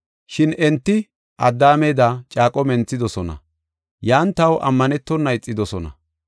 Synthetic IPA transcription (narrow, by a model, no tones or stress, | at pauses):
ʃɪnɛnt̪ːɪ | ʔɐ̰d̪ːaːmeːd̪at͡ʃʼaːkʼɔmɛnt͡sːɪd̪ɔsɔnɐ̰ | jaːnt̪ɐwʔɐ̰mːɐnɛt̪ːɔnːɐjɪt͡sʼːɪd̪ɔsɔnɐ̰